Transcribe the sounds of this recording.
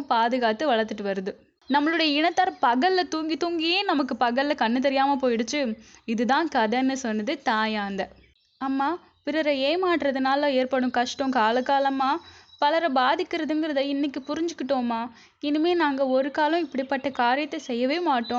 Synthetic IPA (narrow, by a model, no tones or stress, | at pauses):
paːðɯɣaːt̪ɯʋɐɭɐɾt̪ːɯʈːɯʋɐɾɯðɯ | nɐmːɐɭɯɽɐjɐɪɳɐt̪ːaːɾpɐɣɐlːɐt̪uːŋɡit̪uːŋɡɪjeːnɐmɐkːɯpɐɣɐlːɐkɐɳːɯt̪̬ːɛɾɪjaːmɐpoːjɪɽɯt͡ʃːɯɪðɯðãːkɐðɛnːɯsɔnːɐðɯt̪aːjaːnd̪ɐ | ɐmːaː | pɪɾɐɾɐeːmaːʈːɾɐðɯnaːlɐ̃eːɾpɐɽʊ̃kɐʂʈõːkaːlɐkːaːlɐmaːpɐlɐɾɐbaːðɪkːɪɾɐðɯnɡɪɾɐðɐɪnːɪkːɯpʊɾɪɲd͡ʒɯkːɪʈːoːmaː | ɛnɯmeːnaːŋɡɐɔɾɯkaːlʊ̃ɪpːɐɽipːɐʈːɐkaːɾɪjɐt̪ːɐsɛjːɐʋeːmaːʈːõː